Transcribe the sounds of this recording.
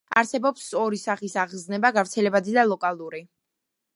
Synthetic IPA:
a̰ɾsɛbɔpsɔɾisaχisaʁznɛbaɡavɾt̪sʰɛlɛbad̪id̪alˠɔkʼalˠuɾi

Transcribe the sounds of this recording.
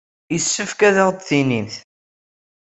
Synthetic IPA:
jəsːəfkæðæʁd̪θinimθ

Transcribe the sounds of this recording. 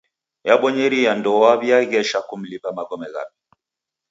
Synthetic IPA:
jaɓɔɲɛɾiandɔaβjaɣɛʃakum̩lipamaɡɔmɛɣa̰pi̥

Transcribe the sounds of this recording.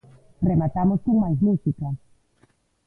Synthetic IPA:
remat̪amoskoŋmajzmusika

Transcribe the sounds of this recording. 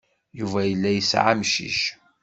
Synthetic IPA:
juvæjəlːæjəsʕamʃḭʃ

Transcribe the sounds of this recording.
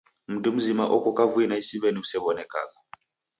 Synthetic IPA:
m̩dum̩zima̰ʔɔkʼɔkʼavuinaisiβeniusɛβɔnɛkʼa̰ːkɔ̥

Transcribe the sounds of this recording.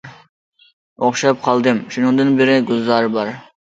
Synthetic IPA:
oχʃɑp̚qʰɑlˠd̪ɨmʃunɨŋd̪ɨnbɪɾɪɡʊzːɑɾbɑɾ

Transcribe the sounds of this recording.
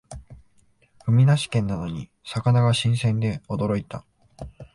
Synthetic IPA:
ɸɯ̟mʲinaɕi̥kẽ̞nːano̞ɲ̟i | sakanaɡaɕĩɰ̃sẽ̞nd̪e̞o̞d̪o̞ɾo̞it̪a

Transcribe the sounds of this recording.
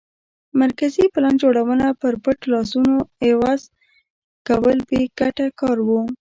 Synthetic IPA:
maɾkaziplɑnd͡ʒoɽawənapəɾpəʈlɑsunoewɑz | kawəlbeɡ̥aʈakɑɾwu

